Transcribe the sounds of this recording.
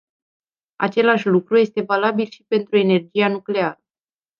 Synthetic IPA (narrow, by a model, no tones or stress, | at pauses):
a̰t͡ʃe̞laʃlukɾuje̞st̪e̞valabilʃi̥pe̞nt̪ɾue̞ne̞rd͡ʒianukle̞aɾə